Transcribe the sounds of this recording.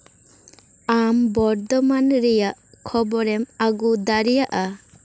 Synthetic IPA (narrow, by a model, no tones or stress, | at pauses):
ambɔɾd̪ɔmanɾɛjaʔkʰɔbɔɾɛmaɡud̪aɾijaʔa